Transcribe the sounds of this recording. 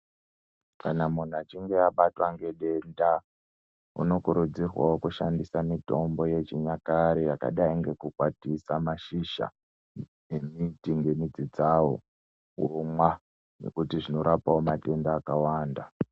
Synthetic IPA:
kanamun̤uat͡ʃiŋɡe̞aɓatwaŋɡe̞ɗe̞nda | ṵno̞kuɾud͡zirwa̰okuʃandisamito̞mbo̞je̞t͡ʃiɲakaɾejaka̰ɗaiŋɡe̞kukwatisamaʃiʃa̰ | emitiŋɡe̞mid͡zid͡zawo̰ | womwa | ne̞̰kutiʐino̞ɾapaomate̞ndaːkawaːnda

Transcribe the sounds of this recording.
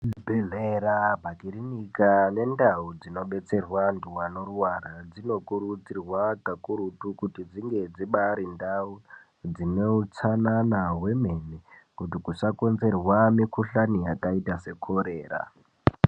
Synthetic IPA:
bʱeveɾabʱakiɾinikane̞ndaud͡zino̞ɓe̞t͡se̞rwanduwano̞ruwaɾad͡zino̞kuɾud͡zirwakakuɾutukutid͡ziŋɡe̞d͡ziɓaɾindau | d͡zineut͡sananawe̞me̞nekutikuʂako̞nze̞rwamikʰuɬanijakaitase̞kʰo̞ɾeːra̰

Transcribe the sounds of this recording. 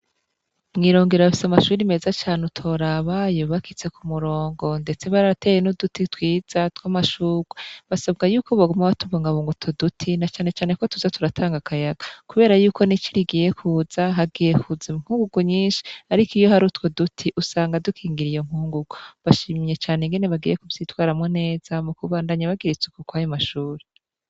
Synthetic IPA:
mŋiːɾo̞ːŋɡeɾaafi̥samaʃuːɾime̞ːzat͡ʃaːnutʰoɾaβajoβakit͡se̞kʰumuɾo̞ːŋɡo̞nde̞t͡se̞βaɾate̞ːjenudutitwiːz̥atwamaʃuːɡ̥weβasabɡajuːko̞βaɡomaβatuβoːŋɡaβoːŋɡutʰodutʰinat͡ʃaːne̞t͡ʃaːne̞ko̞tuzatuɾatʰaːŋɡakajaɡakuβe̞ːɾajuːkʰo̞nit͡ʃiɾiɡije̞kʰuːzaɦaɡiːje̞kʰuziŋ̥huːŋɡuɡuɲiːnʃi̥aɾikijo̞ɦaɾutwodutʰiʔusaːŋɡadukʰiːŋɡiɾijo̞ŋ̥huːŋɡuɡ̥uβaʃiːmje̞t͡ʃaːneŋɡene̞βaɡiːje̞kuvz̥iːtwaːɾamŋene̞ːz̥amukuβaːndaɲaβaɡiɾit͡sukukwajomaʃuːɾe

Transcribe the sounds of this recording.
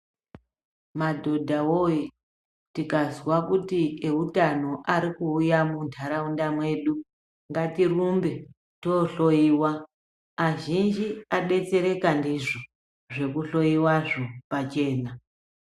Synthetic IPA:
madʱo̞dʱawoji | tikazwakutieutano̞ʔaɾikuːjamuntʰaɾaundamwe̞ːɗu | ŋɡatirumbe̞ | to̞ɬo̞jiːwaː | ʒind͡ʒiaɗe̞t͡se̞ɾe̞kandiʐo | ʐe̞kuɬo̞iwaʐo̞pat͡ʃe̞ːna

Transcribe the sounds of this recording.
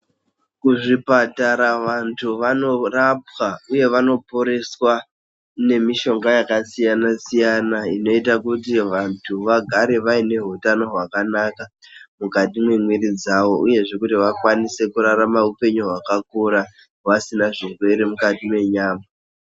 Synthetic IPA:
kuʐipataɾaʋantʰuʋano̞rap̚wauje̞ʋano̞po̞ɾe̞swa | ne̞miʃo̞ŋɡajakasijanasijanaino̞itakut̬iʋantʰuʋaɡʱaɾe̞ʋaine̞ɦutano̞ɦwakanakamukatimwe̞mwiɾid͡zaʋo̞ʔuje̞ʐe̞kutiʋakwanise̞kuɾaɾamaupe̞ɲuɦwakakuɾa | wasinaʐirwe̞ɾe̞mukatimwe̞ɲaːma

